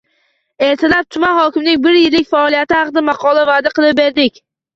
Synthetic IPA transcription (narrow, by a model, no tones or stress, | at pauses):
e̞ɾt̪ʰɪlap̚t̪ʰʊmanhɒkʲɪmnɪŋbɪɾjɪlːɪkʲfaɒlˠijat̪ɪhɑqɨd̪amɑqʰɒlˠavad̪aqʰɨlˠɪp̚be̞ɾd̪ɪkʲ